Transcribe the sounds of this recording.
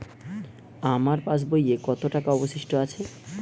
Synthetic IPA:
amaɾpãt͡ɕbojekɔt̪oʈakaɔboʃiʃʈoat͡ɕʰe

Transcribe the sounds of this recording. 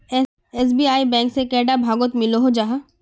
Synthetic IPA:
ɛs̬biːaːibɛ̃ːŋksekɛːɖabʱaːɡot̪mɪloɦod͡ʒaɦa

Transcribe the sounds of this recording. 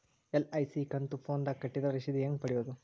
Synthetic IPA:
elɐjsikɐnt̪upʰoːnd̪akɐʈːid̪ɐʋɾiʂid̪ieŋɡpɐɽijoːd̪u

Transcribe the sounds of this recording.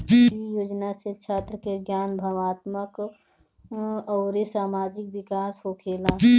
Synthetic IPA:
ijoːd͡ʒnaset͡ʃʰaːt̪ɾəkeɡjaːnbʱəʋaːt̪mək | ɔːɾisaːmaːd͡ʒɪk̚ʋɪkaːsɦokʰeːla

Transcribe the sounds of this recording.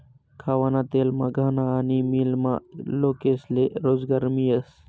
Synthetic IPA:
kʰaːwanat̪eːlmaɡʱaːnaːnimilmaloːkeːsleɾoːzɡɐɾmijɐs

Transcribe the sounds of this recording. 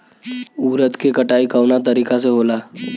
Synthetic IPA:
uɾət̪kekəʈaikawnat̪əɾikat͡seɦola

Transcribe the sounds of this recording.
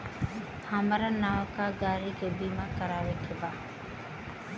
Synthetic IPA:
hɐmbɐɾɐnːɐʋɐkaːɡaːɾiːɡebiːmakɐɾaːʋekebaː

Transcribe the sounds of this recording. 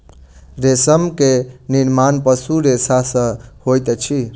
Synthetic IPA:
ɾesəmkeniɾmanpəsuɾesasə̃hojt̪t͡ʃʰi

